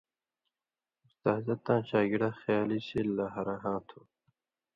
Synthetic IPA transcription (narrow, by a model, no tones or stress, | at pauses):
ʊst̪aːzɐt̪ːãːɕaːɡiɽaːxjaːliɕelaːɦɐɾaɦãːt̪ʰoː